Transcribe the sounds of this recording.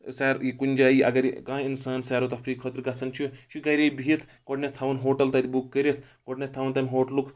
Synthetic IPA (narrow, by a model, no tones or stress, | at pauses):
saːɾjikunʲd͡ʒaːiʔɐ̰ɡɐɾj̰kãːinsaːnsaːɾot̪ɐpʰɾiːkʰot̪ɾɡɐsɐnt͡ʃʰuʃuɡɐɾʲebʱiet̪ʰ | koɖnet̪ʰɐʋɐnɦoːʈɐlt̪ɐd̪ibukːəɾʲet̪ʰ | koʈnet̪ʰːɐʋɐnt̪ɐnɦoːʈluk